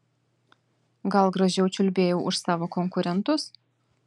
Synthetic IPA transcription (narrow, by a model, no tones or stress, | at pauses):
ɡɐlˠɡɾɐʒʲɛʊt͡ʃʲʊlʲbʲeːjɛʊʊʃsɑːʋoːkɔŋkʊɾʲɛnt̪ʊs